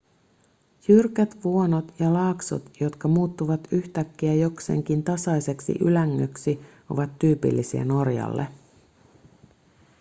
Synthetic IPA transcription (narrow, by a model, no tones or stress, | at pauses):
jyrkæt̪ʋuo̞no̞t̪jɑlɑːkso̰t̪jo̞t̪kɑmuːt̪ːuʋɑt̪yçt̪ækːiæjo̞kse̞̰ːŋkint̪ɑsɑjse̞ksḭʔylæŋːøksi | o̞̰ʋɑt̪ːyːpḭlːisiḛno̞rjɑ̰lːe